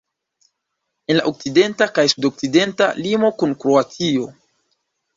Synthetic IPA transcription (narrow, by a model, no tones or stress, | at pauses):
e̞nla̰ʔok̚side̞ntakajsudo̞k̚side̞ntalimo̞kunkɾoat͡sio̞